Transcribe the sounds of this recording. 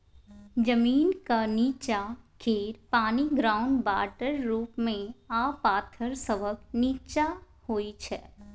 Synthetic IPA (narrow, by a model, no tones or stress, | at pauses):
d͡ʒəmiːnkaniːt͡ʃakʰeːɾpaːniɡɾaːʊɳɖba̰ːʈəɾːuːpmẽaːpaːt̪ʰəɾsəʋəkniːt͡ʃa | hoːit͡ʃʰɛː